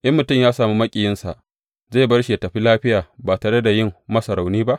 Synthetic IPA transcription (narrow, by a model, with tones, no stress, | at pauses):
ʔɐ˦mːʊ˨tʊ˦mjaː˦saː˨mu˦mɐ˦kʲʼi˨jɪ˦nsa˨ʔ | za˦˨bɐ˦rʃi˨ja˨tɐ˨ɸi˦laː˦ɸɪ˦jaː˨baː˨taː˨ɽe˦da˨jɪ˦˨mːmɐ˦sɐ˨ɾa˨wniː˦ba˦ʔ